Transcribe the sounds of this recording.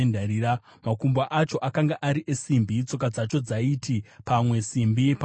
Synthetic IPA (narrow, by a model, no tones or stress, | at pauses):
ndaɾiːɾa | makumbaʔat͡ʃo̞ʔakaŋɡaʔaɾiʔe̞simbit͡so̞k̬ad͡zat͡ʃo̞d͡zaitʰipamwe̞simbipa